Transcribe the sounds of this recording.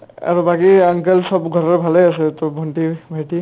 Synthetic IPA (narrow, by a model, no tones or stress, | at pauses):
a̰ɹubaɡiaŋkelsɔbɡʱɔɹɔɹbʱalɔjasɛt̪ɔbʱɔnʈibʱaʈi